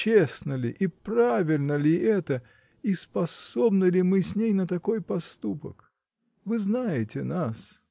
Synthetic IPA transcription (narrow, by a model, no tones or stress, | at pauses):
t͡ɕesnəlʲɪ̰ʔipravʲɪlʲnəlʲɪʔɛt̪ə | ispɐso̞bnəlʲɪmɨsʲnʲejnət̪ɐko̞jpɐst̪upə̰k | vɨznajɪtʲɪnas